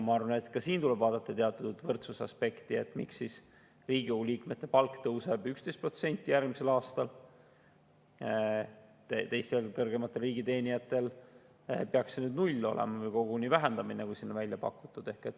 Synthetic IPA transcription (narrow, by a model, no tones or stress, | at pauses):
mɑɑrvɑnet̪kɑsiːnt̪ulɛb̥vɑːd̪ɑt̪ːˑɑt̪eɑt̪ːˑud̪̥vɤrt̪susɑ̰spe̞kt̪ie̞t̪ːˑmiksːis | riːɡ̥iouliːkme̞t̪ːe̞pɑlkːt̪ɤwse̞bykst̪e̞jst̪pro̞t̪se̞nʲt̪ʲːˑijærɡmise̞lɑːst̪ɑl | t̪et̪e̞jst̪e̞lkɤrɡ̥e̞mɑt̪ˑːelriːɡit̪e̞ːnijɑt̪ːˑe̞l | peɑksenyːd̪nulʲːo̞̰lḛmɑvɤjko̞ɡ̥uniːvæɦend̪̥ɑminekusinːonvælʲjɑpɑ̰kːˑu̥t̪ːˑud̪̥e̞hke̞t̪ːˑ